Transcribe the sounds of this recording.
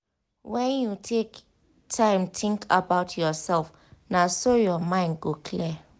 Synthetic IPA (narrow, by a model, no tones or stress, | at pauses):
wɛ̃njutʰek | tʰãɪ̃mtʰɪ̃ŋkʰabaʊtʰjɔsɛlf | nasojɔmãɪ̃nd̚ɡokʰli